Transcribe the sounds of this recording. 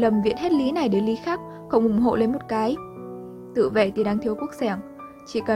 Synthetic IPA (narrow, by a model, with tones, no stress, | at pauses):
lə˨˩mvḭ˧˨ənɦe˦˥t̚li˨˦na˨˩jɗe˨˦nli˨˦xaː˦˥k̚ | xɔ˧˩wŋ͡mʔʊ˧˩ŋ͡mɦo̰˧˨le˧nmo˨˩t̚kaː˨˦j | t̪ɨ̰˧˨vḛ˧˨t̪i˨˧˩ɗaː˧ŋt̪ʰi˧əwku˦˥ək̚sɛ˧˩m | t͡ɕḭ˧˩kə˨˩